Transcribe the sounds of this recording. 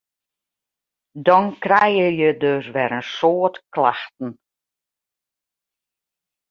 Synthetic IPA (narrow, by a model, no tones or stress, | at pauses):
dɔnkrɛjəjədøsʋɛɾənsoətkla̰xtn̩